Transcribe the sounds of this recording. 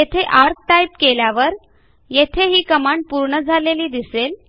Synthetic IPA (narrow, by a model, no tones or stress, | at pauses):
jet̪ʰeʔaɾk̚ʈajp̚keljaʋəɾ | jet̪ʰeɦiːkəmaɳɖ̚puɾɳəd͡zʱaleliːd̪isel